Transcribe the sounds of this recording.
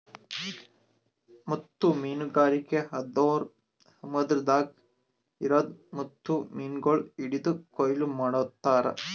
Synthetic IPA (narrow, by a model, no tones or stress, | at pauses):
mɐt̪ːumiːnuɡaːɾikeɦɐd̪oːɾ | hɐmɐd̪ɾd̪aːk | iɾɐd̪mɐt̪ːumiːnɡoɭiɽid̪ukojlumɐːɽot̪ːaːɾɐ̰